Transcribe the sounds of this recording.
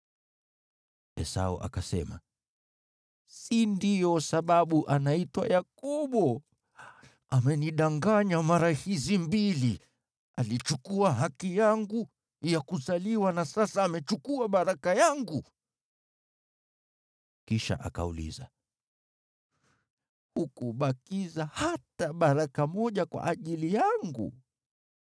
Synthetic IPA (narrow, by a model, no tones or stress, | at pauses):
ɛsa̰ɔ̰ʔa̰kasɛ̰ma̰ | sindijɔsaɓaɓuʔanaitwa̰jakɔɓɔ | amɛniɗaŋɡaɲamaɾahizimbili | alit͡ʃukuaɦakijaŋɡu | jakuzaliwanasasaːmɛt͡ʃukuaɓaɾakajaŋɡu | kiʃa̰ʔa̰ka̰ṵlḭza̰ | hukuɓakizahataɓaɾakamɔʄakwa̰ʔaʄilijaŋɡṵ